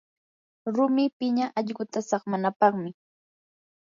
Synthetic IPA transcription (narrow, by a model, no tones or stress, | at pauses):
ɾʊmɪpɪɲaʔɑʎɢʊt̪asɑχmanapɑχmɪ